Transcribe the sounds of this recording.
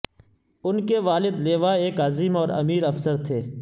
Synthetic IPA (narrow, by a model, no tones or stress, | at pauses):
ʊnkeʋaːlɪd̪leːʋaeːkaːziːmɔːɾɐ̰miːɾɐfsəɾt̪ʰeː